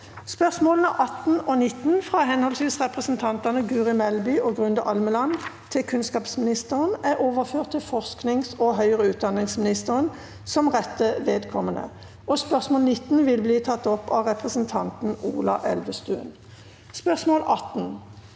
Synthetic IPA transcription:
spœʁsmoːlən̩ɑʔɑt̪n̩ɔnɪt̪nfʁɑːɦɛnhɔlsʋiːsʁɛpʁəsn̩t̪ʰɑnt̪ɑnəɡʉːʁɪmɛlbʏːʔɔɡʁʉnd̪əʔɑlməlɑnt̪ʰɪlkʰʉnskɑːpsmɪnɪst̪əʁənæʁoːʋəʁføːʁt̪ʰːɪlfɔʁsknɪŋsɔɦœʏəʁəʉːt̪̚d̪ɑnɪŋsmɪnɪst̪əʁən | sɔmʁɛt̪ːəʋeːd̪kʰɔmənə̰ | ʔɔspœʁsmoːlnɪt̪ːn̩ʋɪlbliːt̪ʰɑt̪ːɔpːɑ̰ʁɛpʁəsən̩t̪ʰɑnt̪n̩ṵːlɑ̰ʔɛlʋəst̪ʉ̰ːn | spœʁsmoːlʔɑt̪n

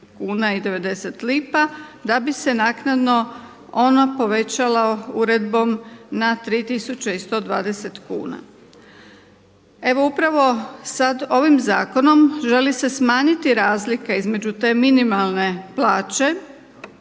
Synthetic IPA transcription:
kuːnaid̪e̞ʋe̞d̪e̞set̪liːpad̪abise̞naːknad̪no̞ | o̞napo̞ʋe̞t͡ɕalauɾe̞d̪bo̞mnat̪ɾiːt̪isut͡ɕeist̪o̞ːd̪ʋa̰ːd̪eset̪kṵːna̰ | e̞ʋo̞upɾaʋo̞sad̪o̞ʋimzaːko̞no̞mʒe̞lise̞smaːɲit̪iɾaːzlikeizme̞d͡ʑut̪e̞ːminimalˠne̞plaːt͡ʃe̞

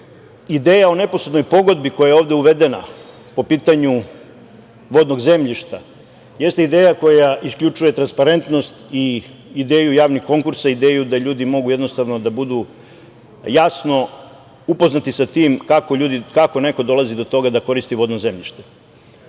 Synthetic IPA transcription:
id̪eːjao̞ne̞posed̪nojpo̞ɡo̞d̪biko̞jajeo̞ːʋd̪euʋe̞d̪ena̰ | po̞piːt̪aɲu | ʋo̞d̪no̞ɡze̞mʎiʃt̪a | je̞st̪eid̪eːjako̞jaʔiskʎʲut͡ʂuje̞t̪ɾanspaɾe̞nt̪no̞st̪i | id̪e̞ːjujaːʋnixkːo̞ŋkuɾsaid̪eːjud̪aʎuːd̪imo̞ɡujeno̞st̪aʋno̞d̪abud̪u | jasno̞ | upo̞znat̪isat̪iːmkako̞ʎuːd̪ikakone̞ko̞d̪o̞lˠazid̪o̞t̪o̞ɡad̪ako̞ɾist̪iʋo̞d̪noze̞mʎiʃt̪e̥

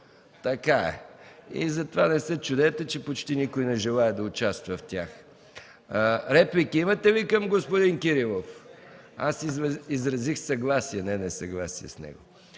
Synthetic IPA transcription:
t̪ɐkaɛ̰ḭzɐt̪ovanɛsɛt͡ʃʊd̪ɛt̪ɛt͡ʃɛpot͡ʃt̪inikojnɛʒɛlˠaɛd̪ɐʊt͡ʃast̪vɐft̪ʲa̰x | ɾɛplikiimɐt̪ɛvikɐmɡospod̪iŋkiɾilˠof | a̰siizɾɐzixsɐɡlˠasiɛnɛnɛsɐɡlˠasḭɛ̰snɛ̰ɡo̰

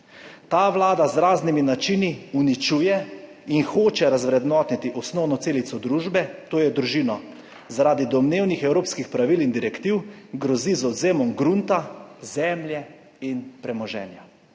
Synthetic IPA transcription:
t̪aːʋlaːd̪azɾaːzniminat͡ʃiːniunit͡ʃuːjɛ | inxoːt͡ʃɛɾazʋɾɛd̪nɔt̪nit̪iʔɔsnɔwnɔseːlit̪sɔd̪ɾuːʒbɛt̪oːjɛd̪ɾuʒiːnɔ | zaɾaːd̪id̪ɔmneːwnixɛwɾoːpskixpɾaʋilind̪iɾɛkt̪iwɡɾɔzizɔd̪zeːmɔmɡɾunt̪azɛmljɛ | inpɾɛmɔʒɛ̰ːnja

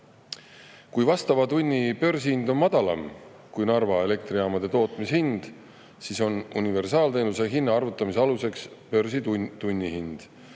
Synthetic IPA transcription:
kujvɑst̪ɑvɑt̪unʲːipø̞rs̬ihind̪o̞nmɑd̪̥ɑlɑ̰m | kujnɑrvɑe̞le̞k̚t̪riɑːmɑd̪̥e̞t̪o̞ːt̪ˑmishind̪̥ | siso̞nunive̞rsɑːlt̪e̞ːnuseɦinːɑɑrvut̪ːˑɑmis̬eɑluse̞kspø̞rsit̪unʲːihind̪̥

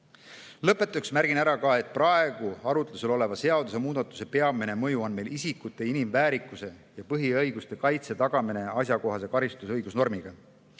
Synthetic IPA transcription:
lɤpːˑe̞t̪ːˑuksmæɾɡ̥inæɾɑkɑe̞t̪̚ːˑprɑe̞ɡ̥uɑɾut̪luselo̞le̞vɑse̞ɑd̪use̞muːd̪̥ɑt̪ːˑu̥se̞pe̞ɑmine̞mɤjuo̞nme̞jlisikut̪ːˑe̞inimvæːɾikːˑuse̞jɑpɤɦiɤjɡ̥ust̪e̞kɑjt̪se̞t̪ɑɡ̥ɑmine̞ɑsjɑko̞ɦɑse̞kɑɾist̪usɤjɡ̥usno̞rmiɡ̥ɑ

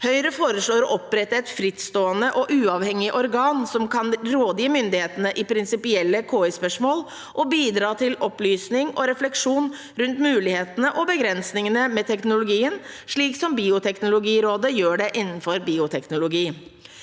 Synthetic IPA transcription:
hœʏɾəfoːɾəʂɭoːɾɔʔɔpɾɛt̪ːəɛt̪fɾɪt̪st̪oːənəʔɔʔʉːɑːʋhɛŋːɪʔɔɾɡɑːnsɔmkʰɑnɾoːd̪iːmʏnd̪ɪheːt̪ənəʔɪpʰɾɪnsɪpɪɛlːəkʰoːɪspœʂmoːl | ʔɔbiːd̪ɾɑːt̪ʰɪlɔplyːsnɪŋɔɾɛflɛkʂuːn | ɾʉnt̪mʉːlɪheːt̪ənəʔɔbəɡɾɛnsnɪŋənəmɛt̪ʰɛknʊlʊɡiːənʂɭiːksɔmbiːʊt̪ʰɛknʊlʊɡiːɾoːd̪əjøːɖɛʔɪnːn̩fɔɾbiːʊt̪ʰɛknʊlʊɡiː

